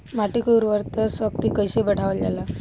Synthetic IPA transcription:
maʈikəuɾʋəɾt̪əsʋək̚t̪ikəjɕebəɽ̤ʱaʋəld͡ʑa̰la

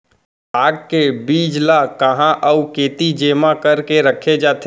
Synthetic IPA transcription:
aːɡ̚kebiːd͡ʒlakəɦãʔəukeːt̪id͡ʒeːmãkəɾkeɾəkʰed͡ʒaːt̪ʰe

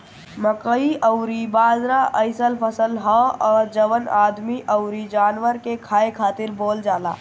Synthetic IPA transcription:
məkəiəʊɾibaːzɾaʔəɪsəlpʰəsəlɦɔɔːɾd͡ʒəʋənaːd̪miʔəʊɾid͡ʒaːnʋəɾkekʰaːekʰaːt̪ɪɾboːld͡ʒaːla̰ː

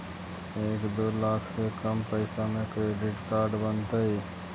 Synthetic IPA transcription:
eːkd̪oːlaːkʰsekəmpəɪsamẽkɾeːɖɪʈkaːɾɖbənt̪əi

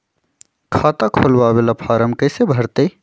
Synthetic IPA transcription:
kʰaːt̪akʰolbabelapʰaːɾəmkəɪsebʱəɾt̪əj

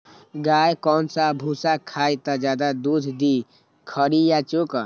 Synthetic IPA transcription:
ɡajkɔnsabʱusakʰajt̪əd͡ʒad̪ad̪ud̪ʱd̪i | kʰəɾijat͡ʃok

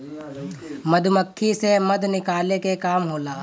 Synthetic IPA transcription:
məd̪ʱməkʰːiseməd̪ʱnɪkaːlekekaːmɦoːlaː

